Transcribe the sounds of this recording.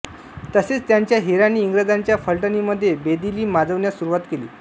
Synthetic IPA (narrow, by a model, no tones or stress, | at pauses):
t̪əset͡st̪jaɲt͡ɕjaɦeɾanːiːŋɡɾəd͡zaɲt͡ɕjafəɭʈəniːməd̪ʱːjebed̪iliːmad͡zəʋnjasuɾuʋat̪kelḭː